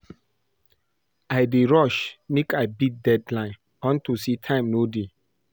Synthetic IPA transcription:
aɪdeɹɔʃnikaɪbit̚dɛdlãɪ̃n | ɔ̃ntusitʰãɪ̃mnode

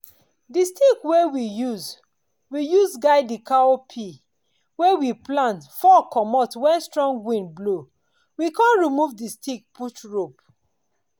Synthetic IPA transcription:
distikwewijuz | wijuzɡaɪdikaopʰi | wewiplãntfɔkʰɔmɔtwɛ̃nstɹɔ̃ŋɡwĩnblo | wikãnɹimuvdistik̚putɹop

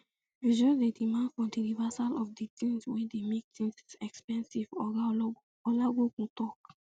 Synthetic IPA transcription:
id͡ʒɔdedimãndfɹɔ̃mdilivasalɔfditĩŋswɛdemek̚tĩŋssɛkspɛ̃nsivɔɡa | ɔlaɡokũtɔk

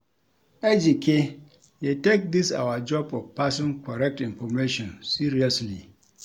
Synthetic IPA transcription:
ʔɛd͡ʒike | jetek̚d̪isa̰wad͡ʒɔbɔfpasɔ̃nkɔɾɛk̚tɪ̃nfɔmeʃɔ̃nsiɾiasli

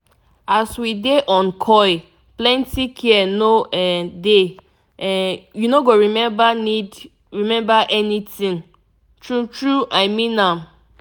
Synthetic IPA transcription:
aswideʔɔ̃nkʰɔɪ | plɛ̃ntikʰiɛnoɛde | ɛjunoɡoɹimɛ̃banid | ɹimɛ̃mbaʔɛnitĩŋ | tɹutɹuʔaɪmĩnãm

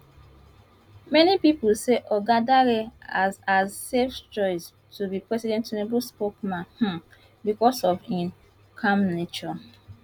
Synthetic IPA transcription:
mɛnipipseʔɔɡadaɾeazazseft͡ʃɔɪs | tubipɹɛsidɛ̃ntonobulspokmãnhã | bikɔsɔvĩn | kʰãmnet͡ʃɔ

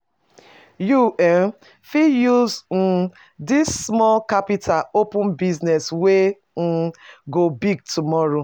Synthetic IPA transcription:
juɛn | fijuzn̩ | disːmɔlkapitʰaopʊ̃nbiznɛswe | n̩ɡobiɡ̚tumɔɾo

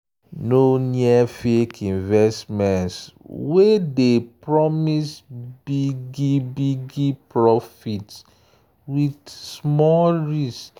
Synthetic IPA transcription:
noniɛfekʰĩnvɛstmɛ̃nswedepɹɔmisbiɡibiɡipɹɔfits | widsmɔlɹis

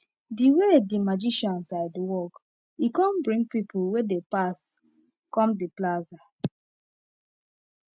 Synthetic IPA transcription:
diwedimad͡ʒiʃɔ̃nsaɪdwɔk | ikɔ̃nbɹĩŋɡpipʰulwedepas | kɔ̃mdiplaza

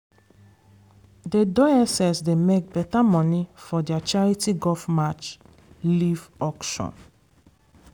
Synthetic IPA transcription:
dedɔɛsɛsdemek̚bɛtamɔ̃nifɔdiat͡ʃaɹitiɡɔfmat͡ʃ | livɔkʃɔ̰̃n

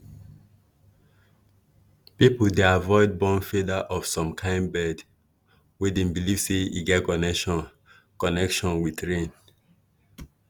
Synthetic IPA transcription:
pipudeavɔɪd̚bɔ̃nfedaʔɔv̥sɔ̃mkʰãɪ̃nbɛd | wedẽnbiliv̥seḭɡɛtkɔnɛʃɔ̃n | kɔnɛkʃɔ̃nwidɹẽn

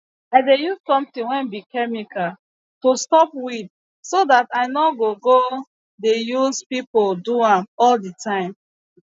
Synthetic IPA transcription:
aɪdejuzkɔ̃mtĩwɛ̃nbikɛmikʰal | tostɔpwid | sodataɪnɔɡoɡo | dejuzpipoduãmɔlditʰãɪ̃m

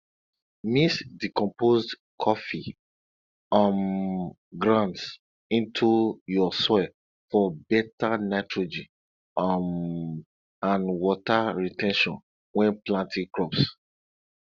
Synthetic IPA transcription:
misdikɔ̃mpozd | kʰɔfi | am | ɡɹãnds | ĩntʰujɔsɔl | fɔbɛtanaɪtʰɹod͡ʒi | m | ãnwɔtaɹitɛ̃nʃɔ̰̃n | wɛ̃nplãntʰĩkɹɔps

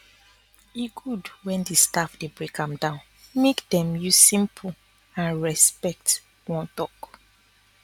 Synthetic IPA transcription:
iɡudwɛ̃ndistafd̥ebɹekãmdãʊ̃n | mekdɛ̃mjusĩmpʰu | ãnɹɛspɛk̚t | wɔ̃ntɔk

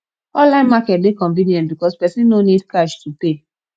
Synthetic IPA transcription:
ɔ̃nlãɪ̃nmakɛt̚dekɔ̃ɱvĩnjɛ̃ntbikɔspɛsĩnnonidkaʃtupe

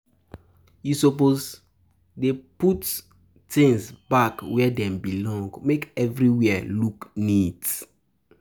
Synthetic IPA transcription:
jusopoz | deput | tĩŋsbakwɛdɛ̃mbilɔ̃ŋɡmekɛvɹiwɛluknit

